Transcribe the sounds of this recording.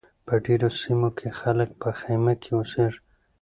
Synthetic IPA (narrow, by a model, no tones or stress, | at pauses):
pəɖeɾosimokʰexalək̚pəxajmakʰewuseʐ